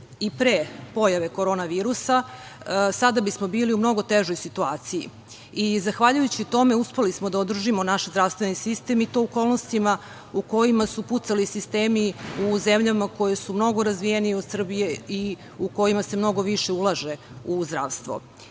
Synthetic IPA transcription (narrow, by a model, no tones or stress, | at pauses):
ipɾepo̞jaʋe̞ko̞ɾo̞naʋiːɾusa | sad̪abismo̞biːliumno̞ɡo̞t̪e̞ʒojsit̪uaːt̪sijḭ | izaxʋaʎujut͡ɕit̪o̞me̞uspe̞lismod̪aod̪r̩ʒimo̞naʃzɾaʋst̪ʋe̞nisist̪e̞mit̪o̞ːko̞ːlˠnost̪ima | uko̞jimasuput̪salisist̪eːmiuzemʎamako̞jesumno̞ɡo̞ɾazʋijenijeo̞d̪sr̩bijei | uko̞jimase̞mno̞ɡo̞ʋiʃe̞ulˠaʒe̞ | uzd̪ɾa̰ːʋst̪ʋo̰